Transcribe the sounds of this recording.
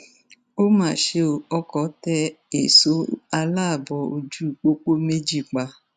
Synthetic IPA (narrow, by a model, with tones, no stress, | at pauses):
o˦mãː˦˨ʃe˧o˨ɔ˧kɔ˨˦tɛ˦e˨so˦a˧laː˦˨bɔ˧o˧d͡ʒu˦˨k͡po˦k͡po˦me˦d͡ʒi˦˨k͡pa˧